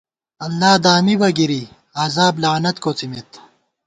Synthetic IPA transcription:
ɐlːaːd̪aːmibɐɡiɾi | aːzaːblaːnɐt̪koːt͡simit̪

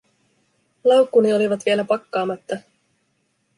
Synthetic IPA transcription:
lɑwkːunio̞liʋɑt̪ʋie̞læpɑkːɑːmɑt̪ːɑ

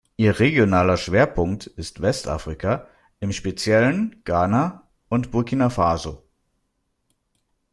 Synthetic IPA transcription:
ʔiːɐʁeɡjonaːlɐʃv̥eːɐpʰʊŋk̚tɪstv̥ɛstʔa̰fʁ̥ikʰa | ʔɪmʃpet͡sjɛlənɡ̥aːna | ʔʊntb̥ʊɐkʰinafaːzo

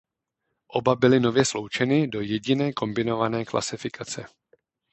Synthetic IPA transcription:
ʔo̞babɪlɪno̞vjɛslo̞wt͡ʃɛnɪdo̞jɛɟɪnɛːko̞mbɪno̞vanɛːklʔa̰sɪfɪkʰat͡sɛ̰

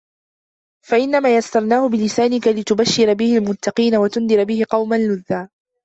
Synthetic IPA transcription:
faʔɪnːamaːjast̪ɑɾˤnaːhʊbɪlɪsaːnɪkalɪt̪ʊbaʃːɪɾabɪhɪlmʊt̪ːɑqiːnawat̪ʊnd̪ɪɾbɪhɪqɑwmanlʊðːaː

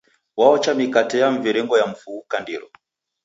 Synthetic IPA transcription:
waɔt͡ʃamikatɛjaɱ̩viɾɛŋɡɔjam̩fuukandḭɾɔ

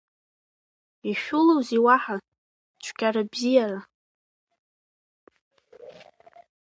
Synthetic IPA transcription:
iʃᶣulowziwaħa | t͡ʃʷʰkʲʰʼarabzijara

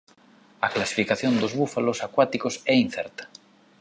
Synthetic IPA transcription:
aklasi̥fikaθjõnd̪ozβufalosakwat̪ikosɛin̟θɛɾt̪ḁ

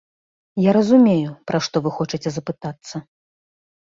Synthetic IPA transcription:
jaɾɐzumʲejupɾaʂt̪ɔvɨxɔt͡ʂɨt͡sʲɛzɐpɨt̪at̪sːɐ

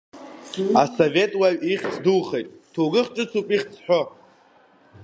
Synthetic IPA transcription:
asove̞tʼwaɥiχʲt͡sʰdulχejtʼtʰoɡɨχʈ͡ʂʼɨt͡sʰupʼiχʲt͡sʰħʷᶣo

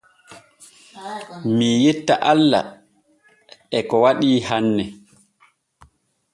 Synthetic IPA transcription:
mijetːaʔalːa̰ | ʔɛkɔwaɗiːhanːɛ

